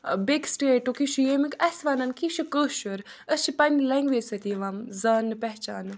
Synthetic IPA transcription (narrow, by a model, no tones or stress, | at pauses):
beksʈeːʈːokiʃujemikɐsʋaːnɐnkiʃikəːʃuɾəst͡ʃʰipɐnilɛŋɡʋeːd͡ʒʲsɐt̪iʋamzaːnːɨpɛɦt͡ʃaːnɨ